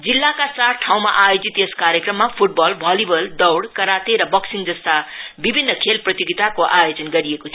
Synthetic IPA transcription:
d͡zilːakat͡sarʈʰaw̃maʔajod͡zit̪eskaɾjekrʌmːapʰuʈ̚bʌlbʱalibʌlɖʌwɽkʌɾat̪eɾʌbʌksiŋd͡zʌst̪abibʱinːʌkʰelprʌt̪joɡit̪akoʔajod͡zʌnɡʌɾiekot͡sʰ

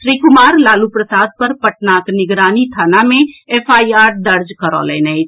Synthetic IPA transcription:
ʃɾikumaɾlalupɾəsad̪̚pəɾpəʈ̚naknɪɡɾanit̪ʰanameepʰaiaɾd̪əɾd͡ʒkəɾɔ̰lɛnɛt͡ʃ̪ʰ

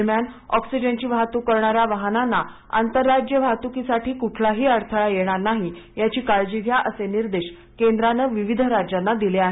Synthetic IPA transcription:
mjanɔksid͡ʑənt͡ɕiːʋat̪ukəɾɳaɾjaʋaɦnanːa | a̰nt̪əɾːad͡ʑjəʋʱat̪ukisaʈʰiːkuʈʰlaɦiːəɾt̪ʰəɭajeɽ̃aɾnaɦijat͡ɕiːkaɭd͡ʑiʋʱjaʔəseniɾd̪eɕ | kend̪ɾanəʋiʋid̪ʱɾad͡ʑanːad̪ileaɦe

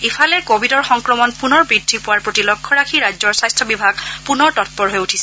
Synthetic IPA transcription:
ipʰalɛkobʱidɔɹxɔŋkɹɔmɔnpunɔɹbɹidʱːipʊwaɹpɹotilɔkʰːɔɹakʰiɹazɔɹsajstʰɔbibʱaɡpunɔɹtɔt̚pɔɹɦojutʰisɛ

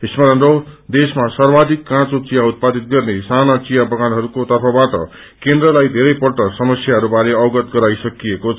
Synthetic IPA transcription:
ɦismaɾʌnɾod̪esmasʌrbad̪ikːãt͡sot͡sijaut̪̚pad̪it̪̚ɡʌrnesanat͡sijabʌɡanɦʌɾukot̪ʌrpʰʌbaʈʌ̰ | kend̪rʌlajd̪ʱeɾʌjpʌrʈʌsʌmʌsjaɦʌɾubaɾeʌwɡʌt̪ɡʌɾajsʌkijekot͡sʰ

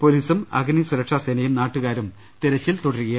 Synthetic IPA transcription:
po̞liːsumɐ̰ɡnisuɾɐkʂaseːnɐjumnaːʈːuɣaːɾum | t̪iɾɐt͡ɕːilt̪oɽɐɾukɐj

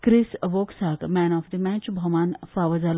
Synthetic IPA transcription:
kɾɪsʋoːksaːkmɛːnɔːfd̪imɛ̃t͡ʃbʱɐmaːnfaːʋɐzal

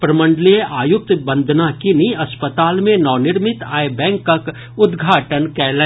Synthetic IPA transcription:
pɾɐmə̃ɳɖəlijʔaːjʊk̚t̪bə̃nd̪ʱnakiniɐspət̪aːlmẽnɔːnɪɾmɪt̪aːebɛ̃ːŋkːək | ʊd̪ɡʱaːʈənkɛːlɛ

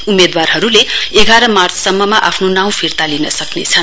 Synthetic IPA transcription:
umed̪warɦʌɾuleeɡʱaɾʌmart͡sʰsʌmːʌmaʔa̰pʰnonaw̃pʰirt̪alinʌsʌknḛt͡sʰʌn

